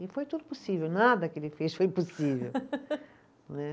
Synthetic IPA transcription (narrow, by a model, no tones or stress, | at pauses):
ɪfojt̪ud̪ʊpusivewnad̪ɐkelɪfeʃfojpusivḛw | nɛ